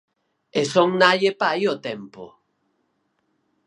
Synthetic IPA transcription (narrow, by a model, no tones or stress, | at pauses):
esoŋnaʎepaiot̪ɛmpo̰